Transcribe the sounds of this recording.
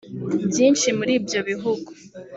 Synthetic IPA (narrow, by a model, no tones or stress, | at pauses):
bjiːnʃimuɾiːbjo̞βiɦuɡu̥